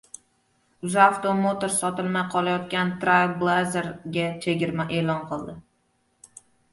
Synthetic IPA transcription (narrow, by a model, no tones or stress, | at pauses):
ʊzaft̪omot̪oɾsɒt̪ɪlmajqʰɒlajɒt̪kʲant̪ɾajblˠazeɾɡʲat͡ʃʰe̞ɡʲɪɾmaʔe̞ːlɒnqʰɨlˠd̪ɪ